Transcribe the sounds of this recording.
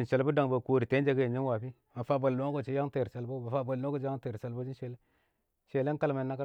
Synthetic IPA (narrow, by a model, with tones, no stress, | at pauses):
i˨ʃe˨lbu˦da˨ŋba˨ko˨ɾi˨te˨˦d͡ʒe˦ɡa˦je˨ɲi˦nwa˨pi˦ | ma˨fa˦ba˨llo˨˦ko˦˨t͡ʃi˦ja˦ŋte˨ɾt͡ʃa˨lbo˦ba˨fa˦ba˨lno˦ko˦t͡ʃa˦te˨ɾt͡ʃa˨lbo˦d͡ʒi˦nʃe˨le˦ | ʃe˨le˦ŋ˦ka˦lma˨na˦ka˦